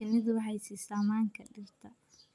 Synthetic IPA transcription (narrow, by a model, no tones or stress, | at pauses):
ɪnɪðʊwħɑjsɪsaːmaːŋkʰɐɖɪrt̪ʰɐ